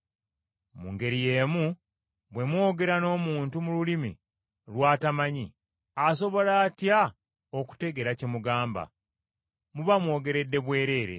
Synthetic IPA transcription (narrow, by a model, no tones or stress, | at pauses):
mṵŋɡe̞ɾije̞ːmu | βwe̞mwo̞ːɡe̞ɾano̞ːmuːntumululimḭ | lwaːtamaɲi | aso̞βo̞laːtja | o̞ku̥te̞ɡeɾacemuɡaːmba̰ | muβamwo̞ːɡe̞ɾe̞dːe̞βwe̞ːɾe̞ːɾe̞̰